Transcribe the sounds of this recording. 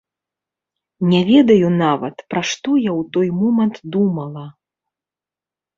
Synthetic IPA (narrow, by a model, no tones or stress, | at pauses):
nʲɛvʲɛd̪ɐjunavɐ̰t̪pɾaʂt̪ɔjawt̪ɔjmɔmɐnt̪d̪umɐlˠɐ